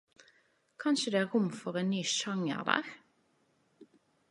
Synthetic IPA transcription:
kʰɑnʃəd̪eːæːʁʁʊmfɔʁeːnnyːʃɑŋə̰ʁd̪æ̰ːʁ

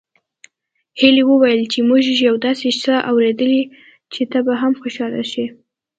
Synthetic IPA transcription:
heliwəwajəlt͡ʃemuʒʒjawd̪ɑseʃsəʔawɾed̪əli | t͡ʃet̪abaɦamxoʃɑla̰ʃi

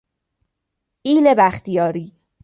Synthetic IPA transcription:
iːlebæxt̪ijɒːɾiː

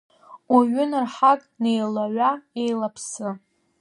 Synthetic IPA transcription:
aɥʏnarħakʼne̞jlaʕʷae̞jlapʰsɨ

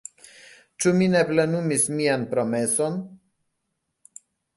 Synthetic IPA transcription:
t͡ʃumine̞ple̞numismianpɾo̞me̞so̞n

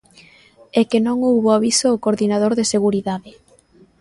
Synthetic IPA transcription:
ɛkenõŋowβoaβisookoɾðinað̞oɾðeseɣuɾiðaðɪ

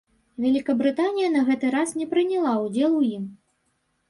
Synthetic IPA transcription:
vʲɛlʲikɐbɾɨt̪anʲijɐnɐɣɛt̪ɨɾasnʲɛpɾɨnʲɛlˠawd͡zʲɛlˠujim

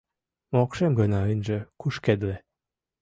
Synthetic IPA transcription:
mokʃemɡənɑənʒə̆kuʃked̪le

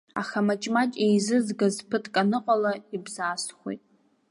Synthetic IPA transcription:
a̰χamat͡ʃʼmatʲʼejzɨzɡazpʰɨtʰʼkʼanɨqʷʼalaibzaːstχʷo̰jtʼ

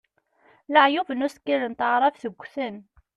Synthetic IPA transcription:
ləʕjuvənʊskːilənt̪əʁɾˤɑfθəɡʷːθən

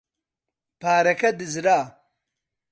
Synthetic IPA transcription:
paːɾɐkɐd̪izɾaː

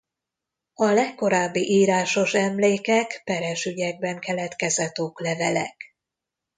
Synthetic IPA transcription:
ɒlɛkːo̞ɾaːbːiʔiːɾaːʃo̞ʃɛmleːkɛkpɛɾɛʃyɟɛɡ̚bɛŋkɛlɛt̪kɛzɛt̪oːklɛvɛlɛ̰k

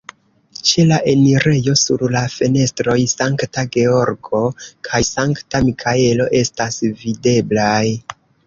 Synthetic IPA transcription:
t͡ʃe̞laʔe̞niɾe̞jo̞sṵɾlafe̞ne̞stɾo̞jsaŋktaɡe̞o̞ɾɡo̞kʰajsaŋktamikʰae̞lo̞ʔe̞stasvide̞blaj

